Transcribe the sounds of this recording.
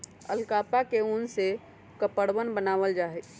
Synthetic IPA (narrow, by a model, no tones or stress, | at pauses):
ə̰lkaːpakeunse | kəpəɽʋənbənaːʋəld͡ʒaːɦɛk